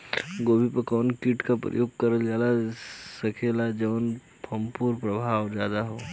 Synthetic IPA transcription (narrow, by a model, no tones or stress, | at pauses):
ɡoːbʱipəkɔːnkiʈkapɾə̰joːɡ̚kɐɾəld͡ʒaːlasɐkʰelad͡ʒɐʋən | pʰɐ̃mpuːɾpɾɐbʱaːwd͡ʒjaːd̪aɦoː